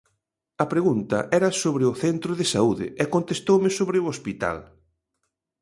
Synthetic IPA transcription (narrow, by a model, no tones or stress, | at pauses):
ɐpɾeɣunt̪ɐ̰ʔɛɾɐsoβɾɪʊθɛnt̪ɾʊðɪsauðɪ̰ɛkont̪est̪owmɪsoβɾɪʊospit̪a̰l